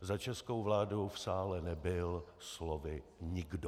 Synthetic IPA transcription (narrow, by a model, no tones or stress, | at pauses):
zat͡ʃɛskowvlaːdowfsaːlɛnɛbɪlslovɪɲɪɡdo